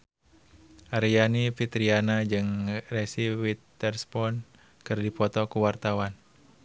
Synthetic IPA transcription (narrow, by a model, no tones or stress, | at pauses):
ʔaɾijanifit̪ɾianad͡ʒɨŋrɛsiwit̪ːɛrspɔn | kɨrdipɔt̪ɔkuwart̪awan